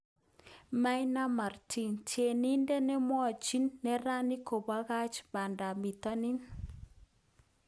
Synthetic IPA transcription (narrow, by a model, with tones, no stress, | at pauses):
ma˦jna˦ma˨rtʰi˦ntje˨ni˦nde˦nɛ˦mwɔ˦˨t͡ʃi˦nːɛ˨ɾa˦ni˦ko˨ba˦ɣa˦t͡ʃba˨nda˨mi˨tɔ˦ni˦n